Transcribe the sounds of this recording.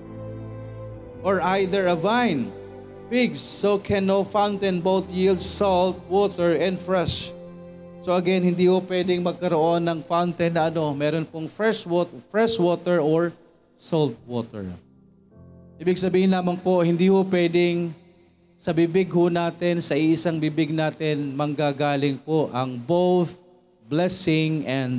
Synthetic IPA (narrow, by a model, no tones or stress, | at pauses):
ʔɔɹʔajðɛɹɐvajn | fɪɡsːokʰɛ̃nːowfawnt̪ɛnbowθjild̪sɔlt̪̚wɔt̪ɛɹɛ̃nd̪fɹɛʃ | soɐɡɛnhɪnd̪iːhopwɛd̪ɪŋmɐɡ̚kɐɾoʔo̞nːɐŋfawnt̪ɛnːɐɐno̞mɛːɾonpoŋfɹɛʃwot̪fɹɛʃwoːt̪ɛɹoɹ | solt̪̚wot̪ɛ̰ɹ | ʔiːbɪɡsɐbiːhɪnlaːmɐnpohɪnd̪iːhopwɛːd̪ɪŋ | sɐbɪbɪɡhʊnaːt̪ɪnsɐʔiʔɪsaŋbɪbɪɡ̚naːt̪ɪnmɐŋɡaːɡaːlɪŋpoʔɐŋbowθ | blɛsɪŋɛnd̪